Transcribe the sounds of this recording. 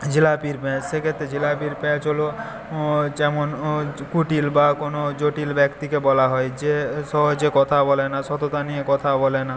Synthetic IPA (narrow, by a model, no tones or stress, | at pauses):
d͡ʑilapiɾpɛ̃sekʰet̪ɾed͡ʑilapiɾpɛ̃t͡ʃɦolo | d͡ʒɛmonkuʈilbakonod͡ʒoʈilbɛkt̪ikebɔlaɦɔed͡ʑesɔɦod͡ʒekɔt̪ʰabɔlenasɔt̪ot̪aniekɔt̪ʰabɔlena